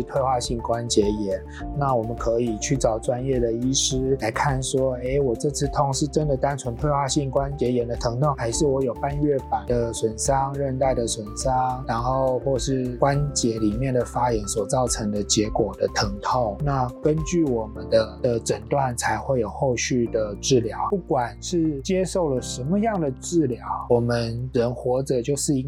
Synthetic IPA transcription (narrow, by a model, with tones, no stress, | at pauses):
t̪ʰwe˥˧ɪxwa˥˧ɕi˥˩ŋkwa˦˥nt͡ɕjɛ˧˥jɛ˧˦n | na˥˩wɔ˨˩mə˦nkʰɤ˧˥i˨˩t͡ɕʰy˥˩t͡sɑ˨˩ʊʈ͡ʂwa˦njɛ˥˩d̪ə˩i˥ʂɻ̩˥la˧˥ɪkʰa˥˩nʂwɔ˥e˥ɪwɔ˨˩ʈ͡ʂɤ˥˧t͡s̩ʰ˥˩t̪ʰo˧˥˦ŋʂɻ̩˥˩ʈ͡ʂə˦˥nd̪ə˨t̪a˥nʈ͡ʂʰwə˧˥nt̪ʰwe˥˧ɪxwa˥˧ɕi˥˩ŋkwa˦nt͡ɕjɛ˧˥jɛ˧˥nd̪ə˨t̪ʰɤ˧˥ŋt̪ʰo˥˩ŋxa˧˥ɪʂɻ̩˥˩wɔ˧˥jo˨˩ʊpa˥˧nɥɛ˥˩pa˨˩nd̪ə˨swə˨˩nʂɑ˥ŋɻə˥˧nt̪a˥˩ɪd̪ə˨swə˨˩nsɑ˥ŋɻa˧˥nxo˥˧ʊxwɔ˥˩ʂɻ̩˥˩kwa˦nt͡ɕjɛ˧˥li˨˩mjɛ˥˩nd̪ə˩fa˥jɛ˧˥nswɔ˨˩t͡sɑ˥˩ʊʈ͡ʂʰɤ˧˥ŋd̪ə˨t͡ɕjɛ˧˥kwɔ˨˩d̪ə˦t̪ʰɤ˧˥ŋt̪ʰo˥˩ŋna˥˩˧kə˦˥nt͡ɕy˥˩wɔ˨˩mə˨˦nd̪ə˧˦d̪ə˨ʈ͡ʂə˨˩ŋt̪wa˥˩nt͡sʰa˧˥ɪxwe˥˩ɪjo˨˩ʊxo˥˧ʊɕy˥˩d̪ə˩ʈ͡ʂɻ̩˥˩ljɑ˧˥˦ʊpu˥˩kwa˨˩nʂɻ̩˥˩t͡ɕjɛ˥ʂo˥˩ʊlə˩ʂə˧˥nmə˧jɑ˥˩ŋd̪ə˩ʈ͡ʂɻ̩˥˩ljɑ˧˥ʊwɔ˨˩mə˧˦nɻə˧˦˥nxwɔ˧˥ʈ͡ʂɤ˨˩t͡ɕjo˥˧ʊʂɻ̩˥˧i˥ŋ